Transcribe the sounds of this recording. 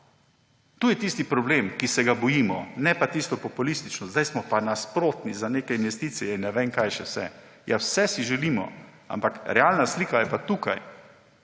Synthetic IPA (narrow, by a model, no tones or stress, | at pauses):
t̪uːjɛt̪ist̪ipɾɔbleːmkisɛɡabɔjiːmɔ̰nɛpat̪ist̪ɔpɔpulist̪it͡ʃnɔzd̪ajsmɔpanaspɾoːt̪nizaneːkɛinʋɛst̪iːt̪sijɛinːɛʋeŋkajʃɛwsɛ̰ | jawsɛsiʒɛliːmɔ̰ | a̰mpakɾɛaːlnasliːkajɛpat̪uːkaj